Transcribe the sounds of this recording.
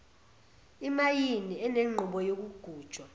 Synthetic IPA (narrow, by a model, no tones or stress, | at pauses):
imajiniɛneŋ͡ǃʱuɓɔjok̬uɡ̥ʱuːd̥ʒ̥ʱwa